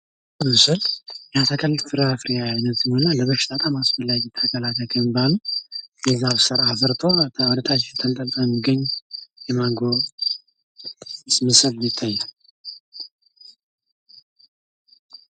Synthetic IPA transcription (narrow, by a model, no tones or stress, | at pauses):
mɨsɨljat̪ʰəkʰəlːfɨɾafɾijaanət̪ɨmonːaləβəʃɪ̥t̪ʼat̪ʼamasfəlːad͡ʒɛt̪ʰəkʰəlat̪ʰəkʰəmbalujɛzaβsəɾafəɾt̪ʰowɔd̪ət̪ʰat͡ʃːt̪ʰəlt̪ʼəlt̪ʼəjɛmːiɡəɲːjɛmaɡo | smɨsɨljɪt̪ʰːajːam